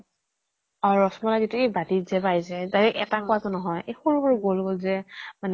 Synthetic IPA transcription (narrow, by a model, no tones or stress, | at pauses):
ɔɹɔsmɔlazituejbatizɛbajsɛdaɹɛʔɛtakʊatʊnɔɦɔjexulkɔɹɡolɡolzɛman